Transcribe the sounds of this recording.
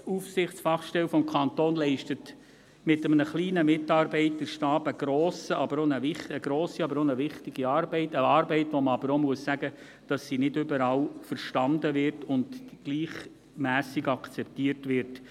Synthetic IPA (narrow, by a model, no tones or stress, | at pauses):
ufsɪχt͡sfɑχʃtɛlfɔmkʰɑntoːnlɛɪʃtət | mɪtəmnəχliːnəmɪtɑːɾbɛɪtːəʃtɑːbəɡ̥ɾoːsəɑbəɾonəʋɪχəɡ̥ɾoːsiɑbəɾonəʋɪχtɪɡ̥iɑːɾbɛɪtəɑːɾbɛɪtʋoməɑbəɾomuəsːæɡə | d̥ɑsːinɪdʏbəɾɑːlfəɾʃtɑndəʋɪrtʊndɡ̥liːχ | mæːsɪɡɑkt͡sɛp̚tiːəɾtʋɪɾt